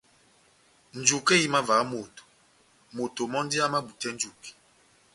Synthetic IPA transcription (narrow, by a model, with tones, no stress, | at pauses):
n̩˨d͡ʒu˨ke˦ji˦ma˦va˨˦mo˨to̥˨ | mo˨to˨mɔ˦n˦di˦a˦ma˦bu˨tɛ˦n̩˦d͡ʒu˨ki̥˨